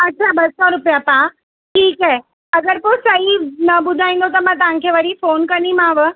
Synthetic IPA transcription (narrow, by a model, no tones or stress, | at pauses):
ɐtːʃʰabɐsɔɾʊpijapã | ʈʰiːkɦe | ɐɡəɾposɐɦinɐɓʊd̪ʱaːĩnd̪ot̪ɐmãt̪ɐʋãkʰeʋɐɾifoːnkɐnimãːʋ